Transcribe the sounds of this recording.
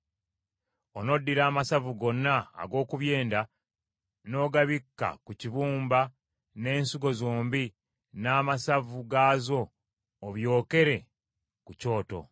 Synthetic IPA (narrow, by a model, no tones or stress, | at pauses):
ono̞dːiɾaːmasavuɡo̞nːa̰ːɡo̞ːkuβje̞ːnda | no̞ɡaβikːa̰kuciβuːmba | ne̞ːnsuɡo̞zoːmbi | naːmasavuɡaːzo̞ː | βjo̞ːke̞ɾe̞ | kuco̞ːto̞̰